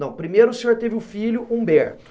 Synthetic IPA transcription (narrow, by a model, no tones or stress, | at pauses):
ɐ̃w̃pɾimejɾʊːsẽɲoɾt̪evɪʊfiʎʊʔũbɛɾt̪ʊ̥